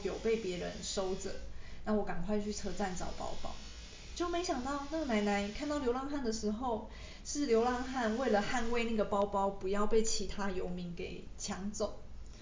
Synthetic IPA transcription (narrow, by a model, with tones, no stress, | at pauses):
jo˨˩ʊpe˥˩ɪpjɛ˧˥ɻə˧˦nʂo˥ʊt͡sə̰˨˩nna˥˩wɔ˧˥ka˨˩ŋkʰwa˥˧ɪt͡ɕʰy˥˩t͡sʰɤ˥t͡sa˥˩nt͡sɑ̰˨˩ʊpɑ̰˥ʊpɑ̰˥ʊ | t͡ɕjo˥˩ʊme˧˥ɪɕjɑ˨˩ŋt̪ɑ˥˧ʊna˥˩ɡna˧˥ɪna˧˦˥ɪkʰnt̪ɑ˥˩ʊljo˧˥ʊlɑ˥˧ŋxa˥˩nd̪ə˩ʂɻ̩˧˥xo˥˧ʊ | ʂɻ̩˥˩ljo˧˥ʊlɑ˥˧ŋxa˥˧nwe˥˩ɪlə˩xa˥˧nwe˥˧ɪna˥˩ɡə˩pɑ˥ʊpɑ˥ʊpu˧˥jɑ˥˧ʊpe˥˩ɪt͡ɕʰi˧˥t̪ʰa˥jo˧˥ʊmi˧˥ŋke˨˩ɪ | t͡ɕʰjɑ˧˥ŋt͡so˨˩˦ʊ